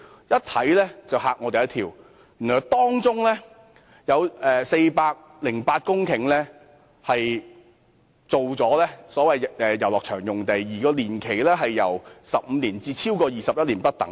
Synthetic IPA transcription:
jɐ˥t̚t̪ʰɐ˨˥jlɛː˥t͡sɐ˨whaː˨k̚ŋɔː˨˧t̪e˨jɐ˥t̪ʰiː˧w | jyː˨˩nɔː˨˩jt̪ɔː˥ŋt͡sʊ˥ŋlɛː˥ | jɐ˨˧wɛː˨se˧jpaː˧k̚ | lɪ˨˩ŋpaː˧t̚kʊ˥ŋkʰɪ˨˩ŋlɛː˥ | hɐ˨j | t͡so˨wt͡sɔː˨˥lɛː˥sɔː˨˥wɐ˨jɛː˨jɐ˨˩wlɔː˨k̚t͡ʃʰœː˨˩ŋjʊ˨˩ŋt̪e˨jːiː˨˩kɔː˧liː˨˩nkʰe˨˩jlɛː˥ɦɐ˨jːɐ˨˩wsɐ˨p̚m̩ː˨˧liː˨˩nt͡siː˧t͡sʰiː˥wkɔː˧jiː˨˩sɐ˨p̚jɐ˥t̚liː˨˩npɐ˥t̚t̪ɐ̰˨˥ŋ

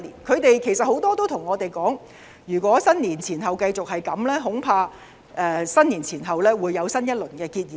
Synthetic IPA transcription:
liː˨˩nkʰɵ˨˧ɥt̪e˨jkʰe˨˩sɐ˨t̚ho˨˥wt̪ɔː˥t̪o˥wt̪ʰʊ˨˩ŋɔː˨˧t̪e˨jkɔː˨˥ŋ | jyː˨˩kʷɔː˨˥sɐ˥nliː˨˩nt͡sʰiː˨˩nɦɐ˨wkɐ˧jt͡sʊ˨k̚hɐ˨jkɐ˨˥mlɛː˥ɦʊ˨˥ŋpʰaː˧ | ʔɛː˧sɐ˥nliː˨˩nt͡sʰiː˨˩nɦɐ˨wlɛː˥wuː˨˧jːɐ˨˧wsɐ˥njɐ˥t̚lɵ˨˩nkɛː˧kiː˧t̚jiː˨

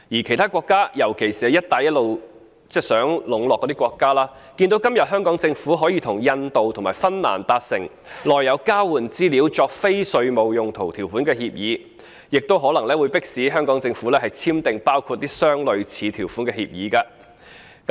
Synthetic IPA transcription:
jiː˨˩kʰjt̪ʰaː˥kwɔː˧kːaː˥jɐ˨˩wkʰe˨˩jsiː˨˩ɛ˧jɐ˥t̚t̪aː˨jɐ˥t̚lo˨˧w | t͡sɛː˥˩sœː˨˥ŋlʊ˨˥ŋlɔː˨kːɔ˨˧˥i˥kɔː˧kːaː˥laː˥ | ki˧nt̪o˨˥wkɐ˥mjɐ˨t̚ɦœː˥ŋkɔː˨˥ŋt͡sɪ˧ŋfuː˨˥ɦɔː˨˥jiː˧t̪ʰʊ˨˩ŋjɐ˧nt̪o˨wt̪ʰʊ˨˩ŋmaː˨˩jfɐ˥nna̰ː˨˩nt̪aː˧t̚sɪ̰˨˩ŋ | lɔː˨jːɐ˨˧wkaː˥wuː˨˩nt͡siː˥liː˨˥wt͡ʃɔː˧k̚fe˥jsɵ˧ɥmo˨˩wjʊ˨˩ŋt̪ʰo˨˩wt̪ʰiː˨˩wfuː˨˥nkɛː˧hiː˧p̚jiː˨˥ | jɪ˨k̚t̪o˥wɦɔː˨˥lɐ˨˩ŋlɛː˥wuː˨˧jpɪ˥k̚siː˨˥ɦœː˥ŋkɔː˨˥ŋt͡sɪ˧ŋfuː˨˥lɛː˥hɐ˨jt͡sʰiː˥mt̪ɪ˨ŋpaː˥wkʰuː˧t̚t̪iː˥sœː˥ŋlɵ˨˧ɥt͡sʰiː˨˧t̪ʰiː˨˩wfu˨˥nkɛː˧hiː˧p̚jiː˨˧kaː˧ | k

